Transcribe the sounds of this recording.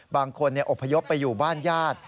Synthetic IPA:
baː˧ŋkʰo˧nːi˥˩ɐʔo˨˩pʰːa˧jo˦˥pːa˧juː˨˩baː˥˩njaː˥˩t̪̚

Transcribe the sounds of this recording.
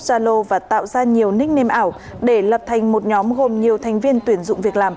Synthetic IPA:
zaː˧lo˧vaː˨˩t̪a̰ː˧˨wzaː˧ɲi˨˩əwnï̟˦˥neɛ˧mʔaː˧˩w | ɗe˧˩lə˨˩p̚t̪ʰa˨˩jŋ̟mo˨˩t̚ɲɔ˨˦mɣo˨˩mɲi˨˩əwt̪ʰa˨˩jŋ̟vi˧ənt̪wi˨˧˩ənzʊ̰˧˨ŋ͡mvi˨˩ək̚laː˨˩m

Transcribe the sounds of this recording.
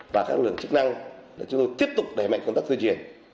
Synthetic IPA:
vaː˨˩kaː˦˥k̚lɨ̰˧˨əŋt͡ɕɨ˦˥k̚na˧ŋlaː˨˩t͡ɕʊ˦ŋ͡mt̪o˧jt̪i˦˥əp̚t̪ʊ˨˩k͡p̚ɗe˧˩ma̰˧˨ŋkə˧ŋ͡mt̪aː˦˥k̪t̪ɨ˧t͡ɕḭ˧˩ən

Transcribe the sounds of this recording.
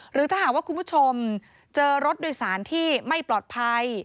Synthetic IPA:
ɾɯː˩˦t̪ʰaː˥˩aː˨˩k̚waː˥˩ku˧npʰu˥˩t͡ɕʰo˧m | t͡ɕɤː˧ɾo˦˥t̪̚doː˧jsaː˩˦nt̪ʰiː˥˩ma˥˩jplɔː˨˩t̪̚pʰa˧j

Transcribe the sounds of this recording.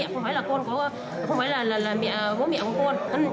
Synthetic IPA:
ḭ˧˨xə˧wŋ͡mfaː˨˦jlaː˨˩ko˧nkɔ˨˦˨ | xə˧wŋ͡mfa˨˦jlaː˨˩laː˨˩laː˨˩mḭ˧˨vo̰˧˦mḭ˧˨kɔ˨˦ko˧n˧˦˨

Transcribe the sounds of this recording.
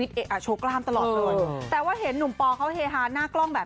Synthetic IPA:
i˦˥t̪̚ʔeː˧˩ʔaː˨˩t͡ɕʰo˦˥klaː˥˩mt̪a˧lɔː˨t̪̚ːa˧wa˧˦˧t̪ɛː˨˩waː˥˩ɦe˩˦nːu˨˩˦mpɔː˧kʰa˦˥wheː˧ɦaː˧˥naː˥˩klɔ˥˩ŋbɛː˨˩

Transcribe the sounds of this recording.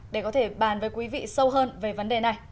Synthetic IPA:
ɗe˧˩kɔ˨˦t̪ʰe˧˩ɓaː˧˩nvəː˨˦jkwi˨˦vḭ˧˨sə˧wɦəː˧nve˨˩və˨˦nɗe˨˩na˨˩j

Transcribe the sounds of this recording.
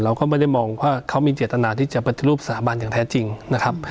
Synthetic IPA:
ɾa˧wkɔː˥˩maː˦˥˩da˥˩jmɔː˧ŋwaː˥˩kʰa˦˥wmiː˧t͡ɕeː˨˩t̪t̪ːa˧naː˧t̪ʰiː˥˩t͡ɕa˨˩pa˨˩t̪i˨˩ɾuː˥˩psa˧t̪ʰaː˨˦ba˧njaː˨˩ŋt̪ʰɛː˦˥t͡ɕi˧ŋna˦˥kʰa˦˥p̚

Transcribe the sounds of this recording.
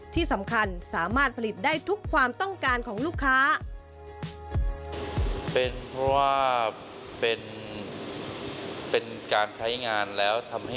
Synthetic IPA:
t̪ʰiː˥˩sa˩˦mkʰa˧nsaː˩˦maː˥˩t̪̚pʰa˧li˨˩t̪̚daː˥˩jt̪ʰu˦˥kʰːwaː˧mt̪ɔ˥˩ŋkaː˧nkʰɔː˩˦ŋluː˥˩kʰːaː˦˥ | pe˧npʰɔ˦˥waː˥˩ | pe˧n | pe˧nkaː˧nt͡ɕʰa˦˥jŋaː˧nlɛː˦˥wt̪ʰa˧mha˥˩

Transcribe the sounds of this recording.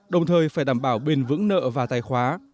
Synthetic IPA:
ɗə˨˩wŋ͡mt̪ʰəː˨˩jfaː˧˩jɗaː˧˩mɓaː˧˩wɓe˨˩nvɨ̰˧˥ŋnə̰ː˧˨vaː˨˩t̪aː˧˩jxwaː˨˦

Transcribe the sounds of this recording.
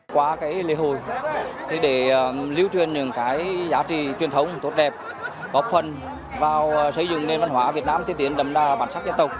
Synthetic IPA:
kwaː˨˦kaː˨˦jlḭ˧əɦo˧˩˨jt̪ʰi˨˩ɗe˧˩˨li˧əwt͡ɕwi˨˩ənɲɨ̰˧˥ŋkaː˨˦jzaː˨˦t͡ɕḭ˧˨t͡ɕwi˨˩ənt̪ʰə˨˦wŋ͡mt̪t̚ɗɛ˨˩p̚ | ɣɔ˨˩p̚fə˧˩n | vaː˨˩wsə˧˩jzɨ̰˧˨ŋne˧nva˧nɦwaː˧˩vi˨˩ət̚naː˧mt̪ʰi˧˩t̪i˧˩ənɗ̪ə˧˨˩mzaː˧˩ɓaː˧˩nsa˦˥t̚zə˧nt̪ə˨˩k͡p̚

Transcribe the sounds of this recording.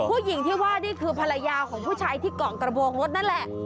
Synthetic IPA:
pʰuː˥˩ji˨˩˦ŋt̪ʰiː˥˩waː˥˩niː˥˩kʰɯː˧pʰa˧la˧jaː˧kʰɔː˩˦ŋpʰuː˥˩t͡ɕʰaː˧jt̪ʰiː˥˩kɔː˨˩ŋt̪ɾa˧boː˧ŋɾo˦˥t̪̚na˦˥n˨lɛ˨˩ʔ

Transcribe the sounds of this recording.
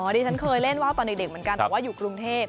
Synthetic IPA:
ʔɔː˩˦diː˧t͡ɕʰa˦˥nkʰɤː˧jle˥˩nwaː˥˩w̪ɔː˧nde˨˩de˨˩m˩˦nka˧ntɛ̰˨˩˨waː˥˩juː˨˩kɾu˧ŋt̪ʰeː˥˩p̚

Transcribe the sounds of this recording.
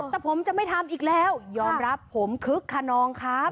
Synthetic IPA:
ɛː˨˩pʰo˩˦mt͡ɕa˨˩ʔma˥˩jt̪ʰa˧mʔiː˨˩k̚lɛː˦˥˩wjɔː˧mɾa˦˥pʰːo˩˦mkʰɯ˦˥kʰːa˧nɔː˧ŋkʰɾa˦˥p̚

